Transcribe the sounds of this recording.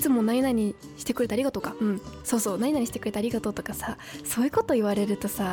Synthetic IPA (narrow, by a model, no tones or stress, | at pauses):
i̥t͡sɨmo̞naɲʲinaɲ̟i | ɕi̥t̪e̞kɯɾe̞t̪aːɾʲiɡat̪o̞kaɯ̟̃ɴso̞ːso̞ːnaɲ̟ʲinaɲ̟iɕi̥t̪ekɯ̟ɾe̞t̪aːɾʲiɡat̪ot̪o̞kasa | so̞ːjɯ̟ko̞t̪o̞iβaɾe̞ɾɯ̟t̪o̞sa